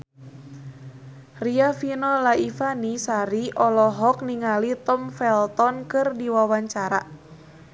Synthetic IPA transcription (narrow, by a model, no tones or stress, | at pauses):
riafinɔlaifanisaɾiʔɔlɔɦɔk̚niŋalit̪ɔmfɛlt̪ɔnkɨrdiwawaɲt͡ʃaɾa